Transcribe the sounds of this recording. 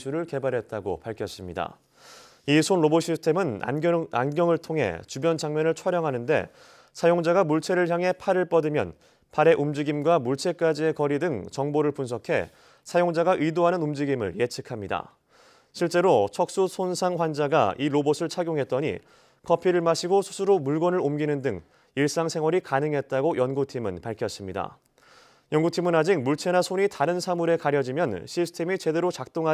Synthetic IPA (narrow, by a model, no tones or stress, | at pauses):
sʰuɾɯɭke̞baɾɦe̞t̚t͈aɡo̰paɭkʰjʌs͈ɯmɲida̰ | isʰonɾoboɕʰisʰtʰemɯna̰a̰nɡjʌŋɯɭtʰoŋɦe̞̰t͡ɕubjʌnt͡ɕaŋmjʌnɯɭt͡ɕʰwaɾjʌŋɦanɯnde̞̰ | sʰajoŋd͡ʑaɡamuɭt͡ɕʰe̞ɾɯɭçjaŋɦe̞pʰaɾɯɭp͈ʌdɯmjʌ̰n | paɾe̞ʔumd͡ʑiɡimɡwamuɭt͡ɕʰe̞k͈ad͡ʑie̞kʌɾidɯŋt͡ɕʌŋboɾɯɭpunsʰʌkʰe̞̰ | sʰajoŋd͡ʑaɡaʔɯidoɦanɯnumd͡ʑiɡimɯ̰ɭje̞t͡ɕʰɯkʰamɲida̰ | ɕʰiɭt͡ɕ͈e̞ɾot͡ɕʰʌk̚s͈usʰonsʰaŋɸwand͡ʑaɡa̰ʔiɾobosʰɯɭt͡ɕʰaɡjoŋɦe̞t̚t͈ʌɲḭ | kʰʌpʰiɾɯɭmaɕʰiɡosʰu̥sʰuɾomuɭɡʌnɯɾomɡinɯndɯŋ | iɭs͈aŋsʰe̞ŋɦwʌɾikanɯŋɦe̞t̚t͈aɡojʌnɡutʰimɯnpaɭkʰjʌs͈ɯmɲida̰ | jʌnɡutʰimɯnad͡ʑik̚muɭt͡ɕʰe̞nasʰoɲitaɾɯnsʰamuɾe̞kaɾjʌd͡ʑimjʌnɕʰisʰɯ̥tʰe̞mit͡ɕe̞de̞ɾot͡ɕak̚t͈oŋɦa